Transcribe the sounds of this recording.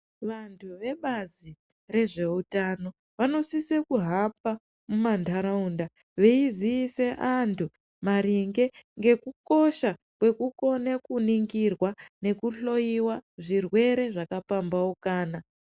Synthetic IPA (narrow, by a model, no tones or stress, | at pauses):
ʋantʰuʋe̞ɓazi | re̞ʐe̞utano̞ | ʋano̞sisekuɦap̚a | mumandʱaɾaunda | ʋeiziːse̞ʔantʰu | maɾiŋɡe̞ŋɡe̞kuko̞ʃa | kwe̞kuko̞nekuniŋɡirwane̞kuɬo̞jiwaʐirwe̞ɾe̞ʐakapambaukaːna